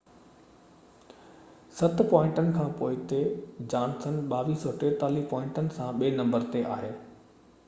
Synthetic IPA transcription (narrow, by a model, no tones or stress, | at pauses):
sɐt̪pɔ̃ːɪ̃ɳʈənɪ̆kʰãːpoːɪt̪ed͡ʑaːñt̪ʰənɪ̆ɓaːʋisoːʈeːt̪aːlipɔːɪ̃ɳʈənɪ̆sãɓeːnɐ̃mbəɾt̪eʔa̰ːɦeː